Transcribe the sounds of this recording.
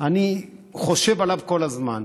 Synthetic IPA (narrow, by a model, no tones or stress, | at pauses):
aniχo̞ʃe̞valavko̞lazman